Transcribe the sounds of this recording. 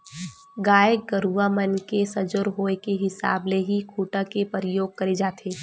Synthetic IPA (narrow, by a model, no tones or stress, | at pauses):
ɡaːjək̚ɡəɾuamənkesɐd͡ʒʊɾɦoːekeɦɪsa̰ːbleɦikʰuːʈakepəɾɪjoːɡ̚kɐɾed͡ʒaːt̪ʰeː